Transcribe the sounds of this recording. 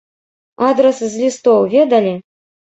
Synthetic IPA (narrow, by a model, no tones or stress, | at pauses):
ad̪ɾɛszʲlʲist̪owvʲed̪alʲi